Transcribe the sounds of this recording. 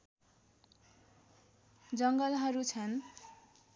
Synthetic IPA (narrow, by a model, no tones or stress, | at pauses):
d͡zʌŋɡʌlɦʌɾut͡sʰʌn